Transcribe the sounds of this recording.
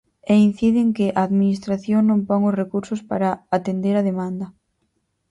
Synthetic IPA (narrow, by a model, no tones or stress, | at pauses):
ein̟θiðɪŋkɪʔaːðminist̪ɾaθjoŋnõmpɔŋosrekuɾsʊspaɾaat̪end̪eɾaðemãnd̪ɐ